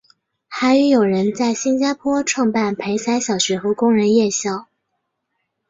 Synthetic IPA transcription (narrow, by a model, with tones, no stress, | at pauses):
xa˧˥ɪy˧˥jo˨˩ʊɻə˧˥nt͡sa˥˩ɪɕi˥nt͡ɕja˥pʰwɔ˥ʈ͡ʂʰwɑ˥˧ŋpa˥˩npʰe˧˥ɪsa˧˥ɪɕjɑ˨˩ʊɕɥɛ˧˥xɤ˧˥kʊ˥ŋɻə˧˥njɛ˥˧ɕjɑ˥˩ʊ